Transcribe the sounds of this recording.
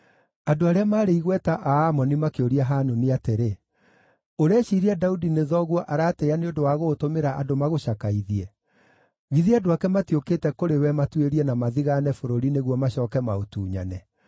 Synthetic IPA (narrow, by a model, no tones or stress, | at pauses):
adoaɾeamaːɾeiɣwɛtaʔaːmɔnimakeoɾiaɦanoniateɾe | oɾeɛɕiɾiadaudineðɔɣwɔʔaɾaːteaneondowaɣotomeɾaʔadomaɣoɕakaiðiɛ | ɣiðiadoakɛmatiokeːtɛkoɾewɛmatweɾiɛnamaðiɣanɛfoɾoɾineɣwɔmaɕɔːkɛmaotuːɲa̰nɛ